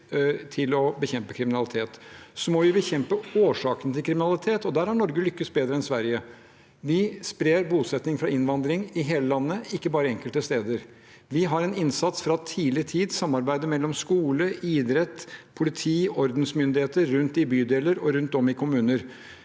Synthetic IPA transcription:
t̪ʰɪlɔbəçɛmpəkʰɾɪmɪnɑlɪt̪ʰeːt̪sɔmɔʋɪbəçɛmpəoːʂɑːkənət̪ʰɪlkʰɾɪmɪnɑlɪt̪ʰeːt̪ɔd̪æɾhɑɳɔɾɡəlʏkːəst̪̚beːd̪ɾəɛnsʋæɾjə | ʋɪspɾeːɾbuːsɛt̪nɪŋfɾɑɪnʋɑnd̪ɾɪŋɪɦeːləlɑnːəɪkːəbɑːɾəɛŋkəlt̪əst̪eːd̪əɾ | ʋɪɦɑɾɛnɪnsɑt̪sfɾɑt̪ʰiːlɪt̪ʰiːd̪sɑmːɑɾbæɪd̪əmɛlːɔmskuːləɪːd̪ɾɛt̪ːpʰʊlɪt̪ʰiːɔɾd̪nsmʏnd̪ɪheːt̪əɾːʉnt̪ɪbyːd̪eːləɾɔɾʉnt̪ɔmɪkʰʊmʉːnəɾ

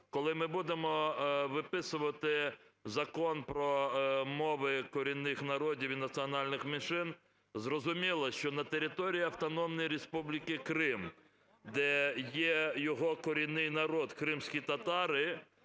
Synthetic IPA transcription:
kɔlˠɪmɪbud̪emɔʋɪpɪsʊʋɐt̪ɪ | zɐkɔnpɾɔmɔʋɪkɔɾʲinːɪxnɐɾɔdʲiwinɐt̪t͡ssʲiɔnɑlʲnɪxmenʃɪn | zrɔzʊmʲilˠɐʃt͡ʃɔnɐt̪eɾʲɪt̪ɔɾʲijiɐwt̪ɔnɔmnʊjɾespublʲikɪkɾɪm | d̪ɛjɛjɔɦɔkɔɾʲijnːɪjnɐɾɔd̪kɾɪmsʲkʲit̪ɐt̪ɑɾɪ

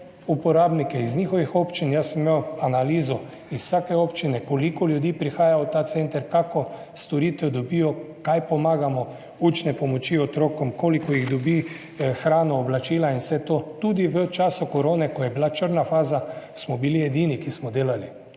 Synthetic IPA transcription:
upɔɾaːbnikɛizniːxɔʋixɔpt͡ʃinjasmmewanaliːzɔ | issaːkɛɔːpt͡ʃinɛkɔlikɔljud̪iːpɾixaːjawt̪aːt̪sɛnt̪əɾkakɔ | st̪ɔɾiːt̪ɛd̪ɔbiːjɔ | kajpɔmaːɡamɔ | uːt͡ʃnɛpɔmɔt͡ʃiɔt̪ɾoːkɔmkoːlikɔjiɣd̪ɔbiː | xɾaːnɔːblat͡ʃiːlainsɛt̪oːt̪ud̪iʋət͡ʃaːsukɔɾoːnɛkɔjɛbilat͡ʃəɾnafaːzasmɔbiliɛd̪iːnikismɔd̪eːlali

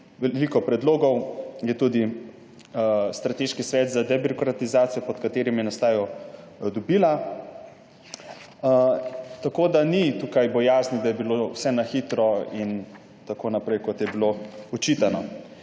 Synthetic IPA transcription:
ʋɛlikɔpɾɛd̪loːɡɔwjɛt̪uːd̪i | st̪ɾat̪eʃkisʋɛːd̪zad̪ɛbiɾɔkɾat̪izaːt̪sijɔpɔt̪kat̪eːɾimjɛnast̪aːjɔ | d̪ɔbiːla | t̪akod̪anit̪ukajbɔjaːznid̪ajɛbilowsɛnaxit̪ɾɔin | t̪akoːnapɾɛjkɔt̪jɛbiloɔt͡ʃiːt̪ana

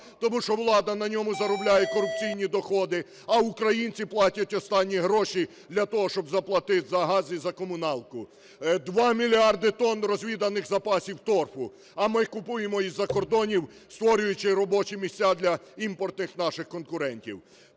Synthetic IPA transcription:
t̪ɔmuʃt͡ʃɔwlˠɑd̪ɐnɐnʲɔmʊzɐɾɔblʲajɛkɔɾʊp̚t͡sʲijnʲid̪ɔxɔd̪ɪ | ɐuʊkɾɐjinʲt͡sʲiplˠɑtʲɐtʲɔst̪ɑnʲːiɦɾɔʃi | d̪lʲɐt̪ɔɦɔʃt͡ʃɔbzɐplˠɐt̪ɪt̪zɐɦɑzʲizɐkɔmʊnɑlˠkʊ | d̪ʋɑmʲilʲiɑrd̪ɪt̪ɔnrɔzʲʋʲid̪ɐnɪxzɐpɑsʲiwt̪ɔrfʊ | ɐmɪkʊpujemɔizːɐkɔrd̪ɔnʲiw | st̪ʋɔɾʲʊjʊt͡ʃɪɾɔbɔt͡ʃɪmʲisʲt͡sʲːad̪lʲɐimpɔrt̪nɪxnɑʃɪxkɔnkʊɾɛnʲtʲḭw

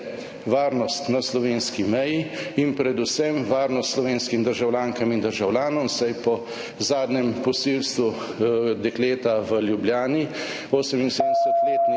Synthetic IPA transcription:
ʋaːɾnɔst̪naslɔʋeːnskimɛjiinpɾɛd̪usɛmʋaːɾnɔst̪slɔʋeːnskimd̪əɾʒawlʲaːŋkamind̪əɾʒawlʲjaːnɔmsajpɔ | zaːd̪nɛmpɔsilst̪ʋu | d̪ɛkleːt̪aʋəljubljaːni | oːsɛminseːd̪d̪ɛsɛt̪leːt̪n

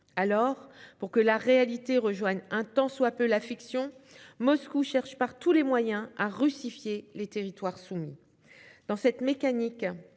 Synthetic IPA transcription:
alɔʁpuʁkəlaʁealit̪eʁəʒwaɲɛ̃t̪ɑ̃swapølafiksjɔ̃mɔskuʃɛʁʃpaʁt̪ulemwajɛ̃aʁysifjelet̪eʁit̪waʁsumḭ | d̪̥ɑ̃sɛt̪mekanik

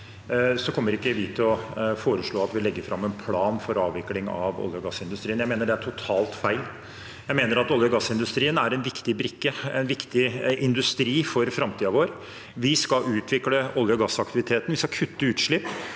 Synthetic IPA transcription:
sɔkʰɔmːəɾɪkːəʋɪt̪ʰɪlɔfoːɾəʂɭoːɑt̪ʋɪlɛɡːəfɾɑmːɛnpʰlɑːnfɔɾɑːʋʋɪklɪŋɑ̰ʋɔ̰ljɔɡɑsːɪnd̪ʉst̪ɾiːnjæɪmeːnəɖɛæʈʰʊt̪ʰɑːlt̪fæɪl | jæɪmeːnəɾɑt̪ɔljəɡɑsːɪnd̪ʉst̪ɾiːənæɾɛnʋɪkt̪ɪbɾɪkːəɛ̰nʋɪkt̪ɪʔɪnd̪ʉst̪ɾiːfɔɾfɾɑmt̪ʰiːɑʋoːɾ | ʋɪskɑʉːt̪ʰʋɪkləɔljəɡɑsːɑkt̪ɪʋɪt̪ʰeːt̪ən̩ʋɪskɑkʰʉt̪ːəʉːt̪ʂɭɪpː

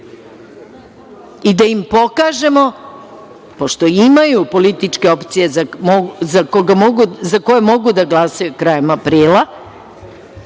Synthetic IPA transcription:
id̪aimpo̞kaːʒe̞mo̞ | po̞ʃt̪o̞imajupo̞lit̪it͡ʃke̞o̞pt̪sije̞zamozakoɡamoɡuzakojemo̞ɡud̪aɡlˠasajukɾaːjemapɾiːla

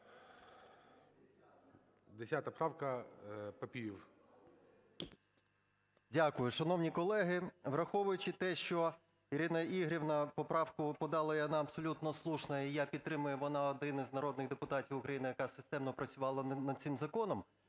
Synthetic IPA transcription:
d̪esʲat̪ɐpɾɑwkɐpɐpʲijiw | dʲakʊjʊʃɐnɔwnʲikɔlˠɛɦɪʋrɐxɔʋʊjʊt͡ʃɪt̪ɛʃt͡ʃɔ | iɾʲɪnɐiɦɾʲiwnɐpɔpɾɑwkʊpɔd̪ɑlˠɐjɐnɑɐbsɔlʲut̪nɔslˠuʃnɐijapʲid̪̚t̪ːɾɪmʊjɛʋɔnɑɔd̪ɪnɪznɐɾɔd̪nɪɣd̪epʊt̪ɑtʲiwʊkɾʔɐjinɪjɐkɑsɪst̪ɛmnɔpɾɐt͡sʲʊʋɑlˠɐnnɐd̪t̪sɪmzɐkɔnɔm

